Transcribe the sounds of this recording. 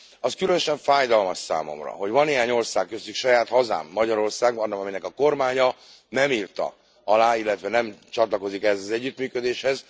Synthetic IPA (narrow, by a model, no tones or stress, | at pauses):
ɒskylønøʃɛɱfaːjd̪ɒlmɒʃsa̰ːmo̞̰mrɒ̰ɦo̞ɟʋɒnːeːɦaːɲo̞rsaːkːøst̪ːykʃɒjaːt̪hɒza̰ːmːɒɟɒɾo̞rsaːɡbɒnːɒkɒminɛkɒko̞rmaːɲɒ | nɛmiːrt̪ɒ̰ | ɒlaːilːɛt̪ʋɛnɛmt͡ʃɒt̪lɒko̞zikɛɦɛzɒzɛɟːyt̪myːkød̪eːʃhɛz